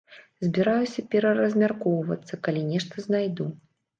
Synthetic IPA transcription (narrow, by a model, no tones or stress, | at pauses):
zʲbʲɛɾajusʲɐpʲɛɾɐɾɐzʲmʲarkɔwvɐ̰t̪sːɐkalʲinʲɛʂt̪ɐznajd̪u